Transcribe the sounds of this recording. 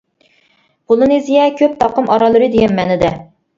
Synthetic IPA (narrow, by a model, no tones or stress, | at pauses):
polˠɨnezijɛkʲʰøp̚t̪ʰɑqəmʔɑɾɑlˠɨɾɨd̪ejɛmːɛnɪd̪ɛ